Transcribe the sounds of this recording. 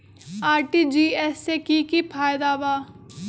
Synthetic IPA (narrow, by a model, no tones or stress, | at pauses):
aːɾʈiːd͡ʒiːɛːseːkiːkiːpʰaːjd̪aːʋaː